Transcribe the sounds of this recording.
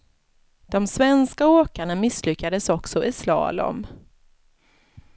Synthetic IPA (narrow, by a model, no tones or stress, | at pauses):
d̪̥ɔmsvɛnskaoːkaɳamɪslʏkːad̪əsɔksɔʔɪslɑ̰ːlɔ̰m